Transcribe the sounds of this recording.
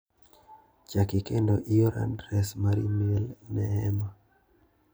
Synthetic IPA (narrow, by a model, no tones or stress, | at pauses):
t͡ʃakikɛndɔʔiɔɾa̰ndɾɛsmaɾḭmiɛlnɛɦɛma